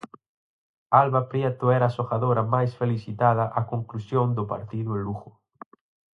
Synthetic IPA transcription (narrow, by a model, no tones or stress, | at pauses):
alβapɾjɛt̪ʊɛɾaːsoxaðoɾɐmajsfeliθit̪að̞ɐʔakoŋklusjond̪ʊpa̰ɾt̪iðʊeluɣʊ